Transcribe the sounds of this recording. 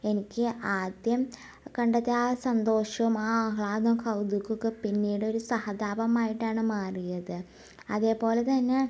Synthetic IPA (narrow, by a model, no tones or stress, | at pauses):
e̞nikʲːɨʔaːd̪jɐm | kɐɳɖɐt̪ːiaːsɐnd̪o̞ːʂɐumaːɐɦɭaːd̪ɐmkɐwd̪ukːukːɨpinːiːɽeo̞ɾusɐhɐd̪aːbɐmaːjiʈːaːɳɨmaːrijɐðɨ | ɐðe̞ːpo̞ːle̞t̪ɐnːe̞